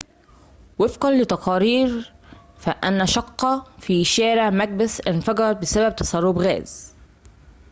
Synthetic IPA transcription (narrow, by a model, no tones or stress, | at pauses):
wɪfqɑnlɪt̪ɑqɑːɾiːɾ | fæʔænːæʃɑqːɑfiːʃæːɾɪʕmæɡ̚bɪsʔɪnfɑɡɑɾˤɑt̪̚bɪsæbæb̚t̪ɑ̥sˤɑrˤːʊbɣæ̰ːz̥